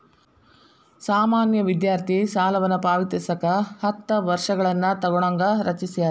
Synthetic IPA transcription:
saːmaːnjɐʋid̪jaːɾt̪ʰisaːlɐʋɐnːɐpaːʋit̪isɐkɐhɐt̪ːɐʋɐɾʂɐɡɐɭɐnːɐt̪ɐɡɔɽɐŋɡɐɾɐt͡ʃisija

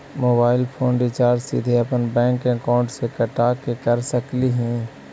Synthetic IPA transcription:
moːbaːɪlpʰoːnɾɪt͡ʃaːɾd͡ʒsɪ̰d̪ʱeɐpənbɛ̃ːŋkẽkaːʊ̃ɳʈsekəʈaːkekəɾsəkliɦɛ̃ː

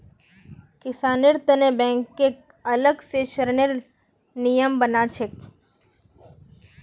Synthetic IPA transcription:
kɪsaːnɪɾt̪ənebɛ̃ːŋkːek | ələɡseʃəɾneɾ | nijəmbənat͡ʃʰek

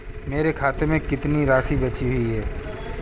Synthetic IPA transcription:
meːɾekʰaːt̪emẽkɪt̪niɾaːsibɐt͡ʃiɦʊiɦɛː

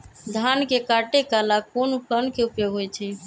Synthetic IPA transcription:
d̪ʱankekaʈekalakonopənkeupjoɡɦojt͡ʃʰɛ

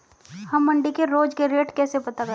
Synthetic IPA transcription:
hɐmːɐ̃ɳɖikeɾoːd͡ʒkeɾeːʈkɛːsepɐt̪akɐ

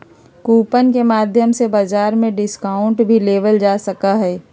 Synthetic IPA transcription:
kuːpənkemaːd̪ʱjəmsebazaːɾmẽɖɪskaːʊɳʈbʱileːʋəld͡ʒaːsəkaɦɛː

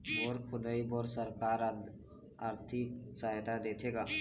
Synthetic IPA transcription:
boɾkʰʊləiboɾsəɾkaːɾ | aːɾt̪ʰiksaɦt̪ad̪et̪ʰeɡaː

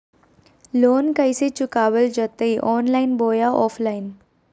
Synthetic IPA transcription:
lonkəjset͡ɕukaʋəld͡ʑət̪əiʔɔːnlainboːjaʔɔflain

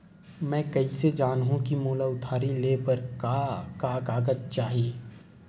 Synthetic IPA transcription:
mɛ̃ːkɐised͡ʒaːnɦũkimoːlaʊt̪ʰaːɾileːpɐɾkakakaːɡət̪̚t͡ʃaːɦieː

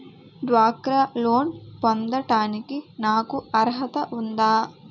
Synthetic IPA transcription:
ɖʋaːkɾɐloːnpond̪ɐʈaːnikinaːkuɐɾɦɐt̪ɐʔund̪aː

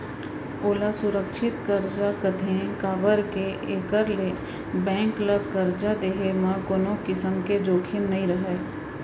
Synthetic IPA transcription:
oːlasʊɾəkʃʰɪt̪kəɾd͡ʒakət̪ʰẽkaːbəɾkeʔeːkəɾle | bɛ̃ːŋkləkəɾd͡ʒad̪eːɦemãkoːnokɪsəmked͡ʒoːkʰɪnːəɦĩɾəɦeː

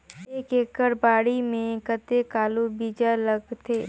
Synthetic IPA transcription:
eːkeːkəɾbaːɽimẽkət̪ekaːlubiːd͡ʒaləɡt̪ʰeː

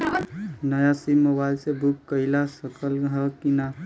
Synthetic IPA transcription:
nəjasimobailsebʱukːəilasəkəlɦəkina

